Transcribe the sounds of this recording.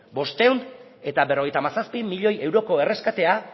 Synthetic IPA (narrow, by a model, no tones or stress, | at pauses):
bo̞st̪ewn | e̞t̪abe̞ro̞ɣ̞ejt̪amasaspimiʎo̞je̞wɾo̞ko̞e̞re̞skat̪e̞a